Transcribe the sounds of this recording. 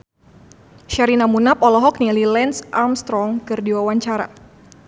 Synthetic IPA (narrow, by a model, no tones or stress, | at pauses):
ʃaɾinamunapɔlɔɦɔk̚nililɛnsʔamst̪ɾɔŋkɨrdiwawaɲt͡ʃaɾa̰